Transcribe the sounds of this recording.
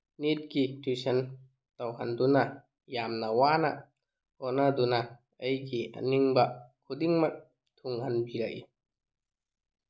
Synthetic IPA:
nit̪̚kit̪ʰisən | t̪awɦand̪una | jaːmnawaːna̰ | hɔnaduna | ʔəjkiʔa̰niŋbakʰudiŋmak̚ | t̪ʰuŋanbila̰ʔi

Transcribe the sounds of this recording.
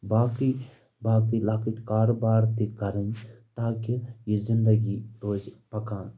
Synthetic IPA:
baːki | baːkilaːkiʈkaːɾbaːɾt̪ikɐɾənt̪aːkijizɪnd̪ɐɡiɾoːzpɐkãːn

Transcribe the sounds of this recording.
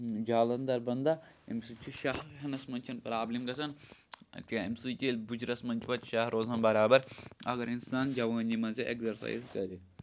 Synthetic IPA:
d͡ʒaːlɐnd̪ɐɾbɐnd̪a | emsit͡ʃʰiʃaɦɦɐnɐsmɐnt͡ʃʰɐnpɾaːblimɡɐsɐn | keemsit͡ʃilʲbud͡ʒɾɐsmɐnt͡ʃpɐt̪ʃaɦɾoːzɐnbɐɾaːbɐɾɐ̰ɡɐɾinsaːnd͡ʒɐʋaːndimɐzʲeʔḛkzɐɾsa̰ːjzkɐɾi

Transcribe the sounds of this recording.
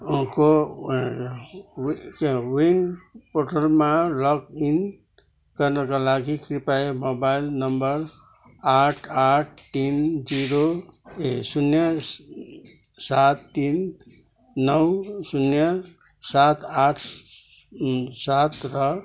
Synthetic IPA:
ɦko | kwinpoʈəlmalɔkin | kəɾnekalaɡikɾipaemobailnəmbəɾ | aʈʰaʈ̚ʰt̪ind͡ʒiɾoesunjə | sat̪ːinː | əwsunjə | sat̪ʰaʈʰ | sat̪ɾʌ

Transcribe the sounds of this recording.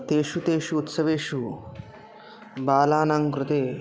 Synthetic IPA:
t̪eːʃut̪eːʃuːt̪sɐʋeːʃu | baːlaːnaŋkɾʊt̪eː

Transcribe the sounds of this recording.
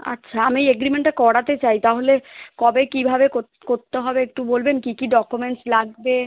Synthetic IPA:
a̰tːʃʰaamiejeɡɾimeɳʈakɔɽat̪et͡ɕajt̪aɦolekɔbekibʱabeko | koɾt̪ːeɦɔbeek̚ʈubolbenkikiɖɔkumeɳʈslaɡ̚be

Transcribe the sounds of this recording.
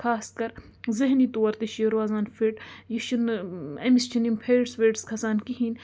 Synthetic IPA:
kʰaːskɐɾ | zɐɦnit̪oːɐɾt̪iʃiɾʋaːzaːnfiʈjiʃunɐmist͡ʃʰinimpʰeːɖsʋeːɖskʰɐsaːnkiɦiːn

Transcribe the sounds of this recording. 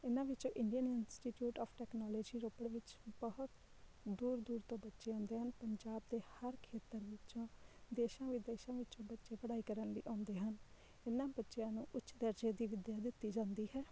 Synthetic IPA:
ɪnãːʋɪt͡ʃõːʔɪɳɖijənɪnsʈiːʈjuːʈɔːpʰʈɛːknɔːlɔːd͡ʒiːɾoːpəɽʋɪt͡ʃbəɦʊt̪ | d̪uːɾd̪uːɾt̪õːbətːʃeːãːnd̪eːɦənpəɲd͡ʒaːb̚d̪eːhəɾkʰeːt̪əɾʋɪt͡ʃõːd̪eːʃãːʋid̪eːʃãːʋɪt͡ʃõːbətːʃeːpəɽaːiːkəɾənləḭːʔãːnd̪eːɦən | ɪnːãːbətːʃjãːnũːʔʊtːt͡ʃʃd̪əɾd͡ʒeːd̪iːʋɪd̪jaːd̪ɪt̪ːiːd͡ʒãːnd̪iːɦɛː

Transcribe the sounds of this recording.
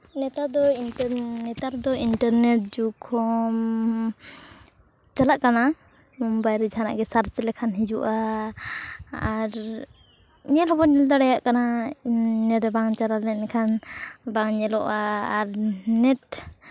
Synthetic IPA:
nɛt̪ad̪ɔinɛt̪aɾd̪ɔinʈaɾnɛʈ̚d͡ʒukʰɔm | t͡ʃalaʔkana | mɔmbajɾɛd͡ʒʱana̰ʔɡɛsaɾt͡ʃɛlɛkʰanɦid͡ʒuʔa | ɾ | ɲɛlɦɔbɔɲɛld̪aɽajaʔkana | nɛʈbaŋt͡ʃaɾalɛnɛkʰanbaŋɲɛlɔʔaːɾnɛʈ̚

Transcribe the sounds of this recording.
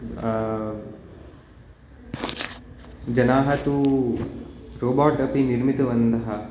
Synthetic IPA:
d͡ʒɐnaːɦɐt̪u | ɾoːbaːʈɐpiniɾmit̪ɐʋɐnd̪ɐɦɐ

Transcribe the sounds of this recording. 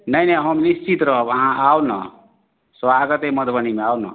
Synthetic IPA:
nʌjnʌɦʌmnist͡ʃit̪ɾʌʌɦãʔawnʌ̰ | sʌaɡʌt̪emʌd̪ʱbʌnimeawnʌ̰

